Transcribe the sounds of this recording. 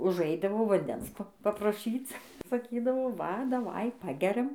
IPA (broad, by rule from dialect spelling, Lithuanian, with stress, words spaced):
ʊʒˈɐɪdɐʋoː ʋɐnʲˈdʲɛns pɐprɐˈʃʲiːt͡s sɐˈkʲiːdɐʋoː ˈʋɐ dɐˈʋɐɪ ˈpɑːɡʲɛrʲɛm